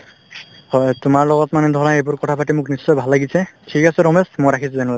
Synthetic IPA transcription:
hɔjtʊmaɹlɔɡɔtmanɛdʱɔɹaejbʊɹkɔtʰapatimʊknisːɔjbʱalːaɡisɛtʰikasɛɹɔmesmojɹakʰisʊzenuba

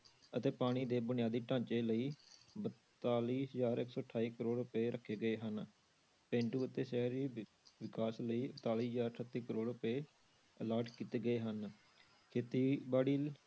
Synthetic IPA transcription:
ət̪eːpaːɽ̃iːd̪eːbʊnɪjaːd̪iːʈãːɲt͡ʃeːləiːbət̪aːliːzaːɾɪksɔːəʈʰːaːiːkəɾoːʊpeːɾʔəkʰːeːɡəeːɦən | pẽːɳʈuːət̪eːsɛːɾiː | ʋɪkaːsləiːət̪aːliːszaːɾʈʰət̪ːiːkəɾoːɽʊpeː | əlaːɾʈkiːt̪eːɡəeːɦən | kʰeːt̪iːbaːɽiː

